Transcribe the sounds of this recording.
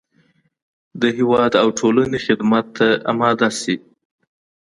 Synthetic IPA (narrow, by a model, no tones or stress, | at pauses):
d̪əɦɪwɑd̪awʈʰolanexɪd̪mat̪ːaamɑd̪asi